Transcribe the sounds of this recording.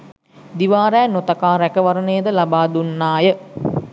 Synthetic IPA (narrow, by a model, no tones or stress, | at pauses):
d̪iʋaːɾɛːnot̪akaːɾækəʋaɾənejəd̪əlabaːd̪unːaːjə